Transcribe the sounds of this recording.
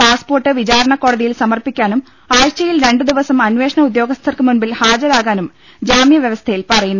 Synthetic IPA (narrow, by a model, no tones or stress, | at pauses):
paːspo̞ːrʈːɨʋid͡ʑaːɾɐɳɐkːo̞ːɽɐðijilsɐmɐrpikʲːaːnum | aːjt͡ɕːɐjilɾe̞ɳɖɨd̪iʋɐsɐmɐnʋe̞ːʂɐɳɐud̪jo̞ːɡɐst̪ʰːɐrkɨmunbilhaːd͡ʑɐɾaːɣaːnum | d͡ʑaːmjɐʋjɐʋɐst̪ʰɐjilpɐrɐjunː